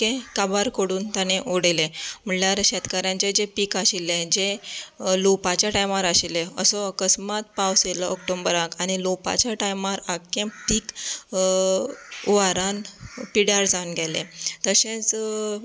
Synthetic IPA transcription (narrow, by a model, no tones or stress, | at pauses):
kẽkabaɾkoɽuːnt̪janeʔoɽelem̤əɳljaɾɕɛt̪kaɾjãt͡ɕed͡ʑepikaɕilẽd͡ʑe | lopat͡ɕjaʈajmaɾaɕileəsɔəkəsmat̪̚pawselɔːk̚ʈõmbəɾakaɽ̃ilopa̰t͡ɕjaʈajmaɾakːẽpiːk | ʋaɾanpiɽaɾd͡zanɡʱɛlḛ̃t̪əɕẽt͡s